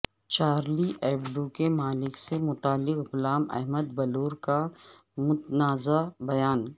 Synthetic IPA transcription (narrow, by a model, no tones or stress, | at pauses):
t͡ʃaːɾliʔɛːbɖukemaːlɪksemʊt̪aːlːɪqɡʊlaːmɐ̰ɦməd̪bɐluːɾka | mʊt̪naːzabɐjaːn